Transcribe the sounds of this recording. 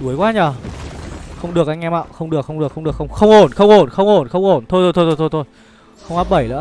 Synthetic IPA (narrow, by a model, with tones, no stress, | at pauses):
ɗu˨˦əjkwaː˧ɲaː˨˩ | xə˧wŋ͡mɗɨ˨˩ək̚a˧jŋ̟ʔɛ˧ma̰ː˧˨wxə˧wŋ͡mɗɨ˨˩əkxə˧wŋ͡mɗɨ˨˩əkxə˧wŋ͡mɗkxə˧wŋ͡mxə˧wŋ͡mʔo˨˧˩nxə˧wŋ͡mʔo˧˩nxə˧wŋ͡mʔo˧˩nxə˧wŋ͡mʔo˧˩nt̪ʰo˧jt̪ʰo˧jt̪ʰo˧t̪ʰo˧t̪ʰo˧jt̪ʰo˧j | xə˧wŋ͡mʔa˦˥p̚ɓə˧˩jlə̰ː˧˥˦